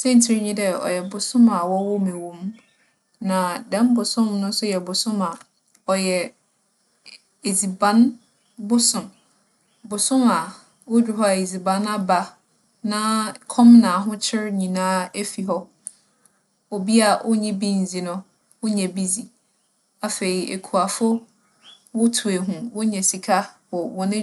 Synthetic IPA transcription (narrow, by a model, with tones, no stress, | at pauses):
sɛ˦n˨tʰi˦ɾɲĩ˦dɛ˨ɔ̰˨jɛ˨bʊ˨sʊ̃˦ma˨wɔ˦wɔ˦mɛ̃˨wõ˨m | nã˨dɛ̃˦m˦bʊ˨sʊ̃˦mnʊ̃˦n̩˦sʊ˦jɛ˨bʊ˨sʊ̃˦ma˨ | ɔ˨jɛ˨ | e˨zi˨bã˨˦n | bʊ˦sʊ̃˨m | bʊ˨sʊ̃˦ma˨ | wo˦du˨ɦɔ˦a˨e˨zi˨bã˨na˦ba˨ | nã˦kʰɔ̃˦mnã˨ɦʊ̃˦t͡ɕʰɪ˦ɾɲĩ˨nãː˦e˦fi˨ɦɔ˦ | o˨bi˦a˨ʔo˦ɲĩ˦bĩ˦n̩˨zi˨nʊ̃˦ | wʊ˦ɲɛ̃˨bi˦d͡zi˨ | a˨fe˨ɾi˨ḛ˨kʰu˨a˨fʊ˦ | wʊ˦tʰu˨e˨ɦũ˨wʊ˦ɲɛ̃˨si˨kʰa˦hɔ˨wɔ̃˨nɪ̃˦